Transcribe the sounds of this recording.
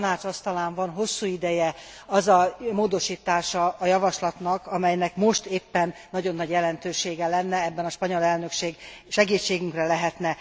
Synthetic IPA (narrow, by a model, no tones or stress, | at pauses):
naːt͡ʃɒst̪ɒlaːɱvɒnɦo̞sːuːid̪ɛjɛ | ɒzɒmoːd̪o̞ʃiːt̪aːʃɒːjɒvɒʃlɒt̪nɒkɒmɛjnɛkmo̞ʃt̪eːpːɛnːɒɟo̞nːɒɟjɛlɛnt̪øːʃeːɡɛlɛnːɛɛbːɛnɒʃpɒɲolɛlnø̞kʃeːɡʃɛɡiːt͡ʃːeːɡyŋkrɛlɛɦɛt̪nɛ